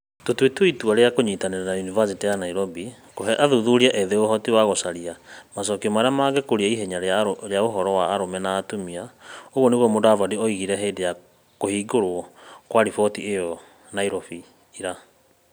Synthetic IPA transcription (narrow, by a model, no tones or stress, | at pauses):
totwetoituaɾeakoɲitaneɾanaunivas̬itijanaiɾɔbi | koɦɛʔaðuðuɾiaʔeðeoɦɔtiwaɣosaɾiamas̬ɔkiɔmaɾeamaɡɛkoɾiaiɦɛɲaɾɾeaoɦɔɾɔwaːɾomɛnaːtomiaoɣwɔneɣɔmodavɔdiɔiɣiɾɛɦeːdeja | kohiːɡoɾoɔkwaɾifɔtiejɔ | naiɾɔfiː | ɾa